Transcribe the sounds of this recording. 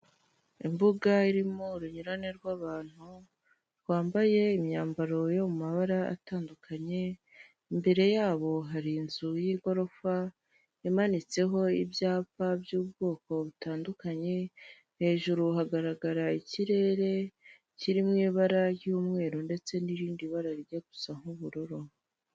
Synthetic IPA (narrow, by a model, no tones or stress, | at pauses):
imbuɡaiɾimoɾuɲuɾaneɾɡwaːβaːn̥hu | ɾɡwaːmbaje̞imɲaːmbaɾo̞jo̞mumaβaɾaa̰taːndukʰaɲe̞ | imbe̞ɾe̞jaːβo̞ɦaɾiːnzujiɡo̞ɾo̞fa | jamanit͡se̞ɦo̞ibjaːpabjuːbɡoːko̞βutaːndukaɲe̞ | he̞ːʒuɾuɦaɡaɾaɡaɾaiciɾe̞ːɾe̞ | ciɾimŋiːβaɾajuːmŋe̞ːɾonde̞t͡se̞niɾiːndiβaɾaɾiɟeɡu̥saŋ̥uβuɾuɾu